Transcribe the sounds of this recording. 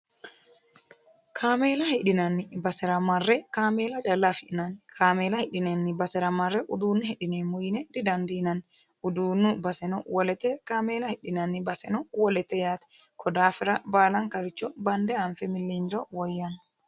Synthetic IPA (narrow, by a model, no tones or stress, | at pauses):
kʰaːmeːlɐhɪᶑɪnɐnːɪbɐsɛɾɐmɐrːɛkaːmeːlɐt͡ʃʼɐlːafɪʔɪnɐnkʰaːmeːlɐhɪᶑɪnɛnːɪbɐsɛɾɐmɐrːɛʔʊd̪uːnːʊhɛᶑɪnɛmʊjnɛd̪ɪd̪ɐnd̪iːnɐnː | ʊd̪uːnːʊbɐsɛnɔwɔlɛt̪ɛkaːmeːlɐhɪᶑɪnɐnːɪbɐsɛnɔwɔlɛt̪ːɛjaːt̪ɛ̥ | kʰɔd̪aːfɪɾɐbaːlɐŋkɐɾɪt͡ʃːɔbɐnd̪ɛɐɱfɛmɪlːind͡ʒɔwɔjːɐn